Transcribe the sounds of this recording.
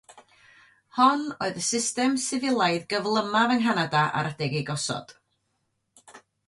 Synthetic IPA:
hɔnoːɨðəsɪstɛmsɪvɪlˠaɨðɡəvlˠəmavəŋɦanadaʔa̰ɾədɛɡiɡɔsɔ̰d̥

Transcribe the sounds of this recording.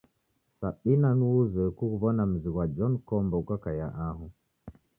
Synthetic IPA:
saɓinanuuzwɛkukuβɔnam̩ziɣwad͡ʒɔnkɔmbɔkakajaʔaɦu

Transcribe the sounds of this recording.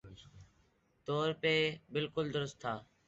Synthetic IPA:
t̪oːɾpeːbɪlkʊld̪ʊɾʊst̪ʰːaː

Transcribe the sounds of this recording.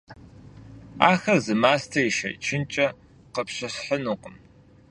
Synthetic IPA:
a̰ːxɐrzɨmaːstʰɐiʃɐ̰t͡ʃʰɪnt͡ʃʼɐ | qəpɕɐɕħənuːqəm

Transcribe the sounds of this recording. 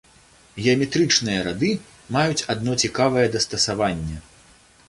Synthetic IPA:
ɣʲɛɐmʲɛt̪ɾɨt͡ʂnɨjɐɾad̪ɨ | majut͡sʲad̪nɔt͡sʲikavɐjɛd̪ɐst̪ɐsavanʲːɛ

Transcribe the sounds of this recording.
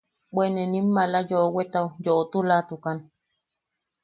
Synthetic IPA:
ɓwenenim̩ːalajowet̪awjoot̪ulat̪ukan

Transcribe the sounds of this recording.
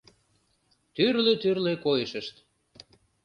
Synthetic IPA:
t̪yrløt̪yrlekojəʃə̆ʃt̪

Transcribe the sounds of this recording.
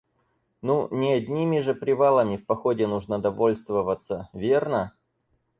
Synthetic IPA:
nunʲɪɐdʲnʲimʲɪʐɨpɾʲɪvalˠəmʲɪfpɐxodʲɪnuʐnəd̪ɐvo̞lʲst̪vəvət̪səvʲe̞rnə

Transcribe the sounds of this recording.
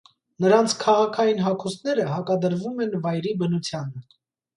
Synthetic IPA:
nəɾɑnt͡sʰkʰɑʁɑkʰɑjinɦɑkʰusnɛɾəɦɑkɑd̪əɾvumɛnvɑjɾibənut͡sʰjɑnə

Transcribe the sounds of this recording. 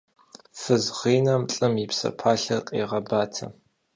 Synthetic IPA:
fɨzʁiːnɐmɬʼɨmɪpsɐ̰pʰaːɬɐqʼḭːʁɐbaːtʰɐ̰

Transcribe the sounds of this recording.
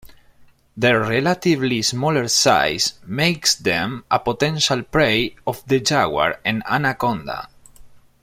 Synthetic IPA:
ðərelat̪ivlismɔləɹsa̰jsmejksðɛ̃mapot̪ɛ̃nʃalpɾejɔfðəd͡ʒawa̰ɾẽna̰nakɔ̃nd̪a̰

